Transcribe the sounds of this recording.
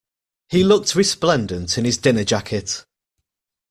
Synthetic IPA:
hilʊk̚tʰɹɪsplɛ̃ndə̃ntʰɪ̃nɪzdɪnəd͡ʒakʰɪt

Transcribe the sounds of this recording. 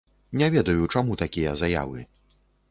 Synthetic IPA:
nʲɛvʲɛd̪ɐjut͡ʂamut̪akʲijɐzaja̰vɨ

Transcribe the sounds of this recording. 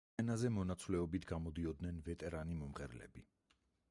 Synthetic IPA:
ɛnazɛmɔnat̪sʰvlɛɔbit̪ʰɡamɔd̪iɔd̪nɛnvɛt̪ʼɛɾanimɔmʁɛɾlɛ̰bi

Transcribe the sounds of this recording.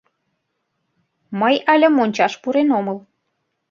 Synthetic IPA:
məjɑlʲə̆monʲt͡ɕɑʃpuɾenoməl

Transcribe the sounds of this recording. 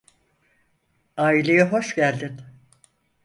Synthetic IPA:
aːilʲejɯɦo̞ʃɟælʲd̪ɪn

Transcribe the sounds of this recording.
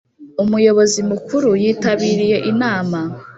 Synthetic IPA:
umujo̞βo̞zimukuɾujiːtaβiːɾije̞ʔinaːma

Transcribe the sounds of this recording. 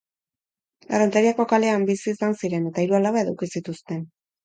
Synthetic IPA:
arant̪eɾiako̞kale̞ambisiːsansiɾe̞ne̞t̪aiɾualaβaeðawkisit̪ust̪e̞n

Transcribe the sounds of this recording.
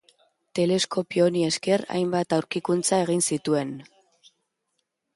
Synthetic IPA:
t̪e̞le̞sko̞pio̞nie̞ske̞ra̰jmbat̪awɾkikunt͡sae̞ɣ̞insit̪ue̞n

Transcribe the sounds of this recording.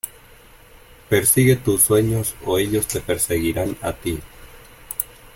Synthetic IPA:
pe̞ɾsiɣe̞t̪uswe̞ɲo̞soe̞ʎo̞st̪e̞pe̞ɾse̞ɣiɾana̰t̪i

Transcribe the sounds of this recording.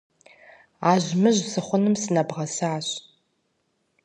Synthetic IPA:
aːʑmɨʑsɨχʷʊnɨmsɨnɐbʁɐsaaːɕ

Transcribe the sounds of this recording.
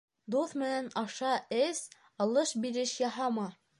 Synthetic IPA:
d̪uθmɘ̆nænɑʃɑɘs | ɑlˠɤʃbiɾɘʃjɑɦɑmɑ

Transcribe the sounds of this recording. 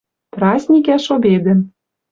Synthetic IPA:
prɑzʲnʲikæʃobed̪ɘ̆n

